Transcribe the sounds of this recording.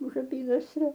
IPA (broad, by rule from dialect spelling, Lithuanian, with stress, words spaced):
ʊʃ ɐˈpʲiːnɐsʲrʲoː